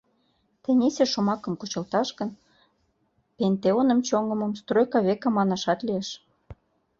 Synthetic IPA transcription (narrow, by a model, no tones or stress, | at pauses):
t̪ĕnʲesʲeʃomɑkə̆mkut͡ɕə̆lt̪ɑʃkə̆n | pent̪eonə̆mt͡ɕoŋəmə̆mst̪rojkɑβekɑmɑnɑʃɑt̪lieʃ